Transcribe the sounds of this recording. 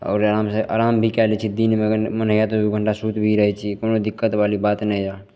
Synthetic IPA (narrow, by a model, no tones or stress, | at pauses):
ɔ̰ːɾaɾaːmseʔa̰ːɾaːmbʱikɛːlit͡ʃʰid̪inmẽmənəjat̪oiɡʱə̃ɳʈasuːt̪bʱiɾəɦɛt͡ʃʰikoːnod̪ɪkːət̪ʋaːlibaːt̪nəĩd͡ʒaː